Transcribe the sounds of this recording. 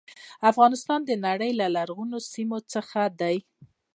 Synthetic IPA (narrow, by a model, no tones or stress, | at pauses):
afɣɑnɪst̪ɑnd̪ənaɽəjlalaɾɣunosimot͡səxad̪aj